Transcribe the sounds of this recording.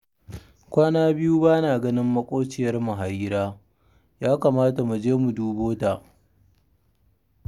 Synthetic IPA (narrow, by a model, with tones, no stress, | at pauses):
kʷaː˦naː˦bɪ˦juː˦baː˦naː˨ɡɐ˦nɪ˦mːɐ˦kʷʼoː˦t͡ʃɪ˦˨jɐ˦rmʊ˨ɦa˨jɪ˦ɾaː˦ | jaː˦kaː˨maː˦ta˨mu˨d͡ʒeː˦mu˨duː˦boː˦ta˨